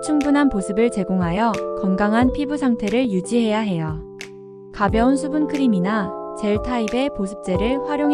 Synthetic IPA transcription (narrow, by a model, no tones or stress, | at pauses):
t͡ɕʰuŋbunɦanposʰɯbɯɭt͡ɕe̞ɡoŋɦajʌkʌnɡaŋɦanpʰibusʰaŋtʰe̞ɾɯɭjud͡ʑiɦe̞jaɦe̞jo | kabjʌunsʰubunkʰɯɾiminat͡ɕe̞ɭtʰaibe̞posʰɯ̥p̚t͡ɕ͈e̞ɾɯɭɸwaɾjoŋ